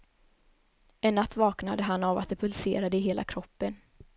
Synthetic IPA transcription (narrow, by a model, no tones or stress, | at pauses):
ɛnːat̪ːvɑːknad̪əɦanːava̰t̪̚d̪ɛpʰɵlsḛːɾad̪əɪɦeːlʔa̰kʰɾɔpːən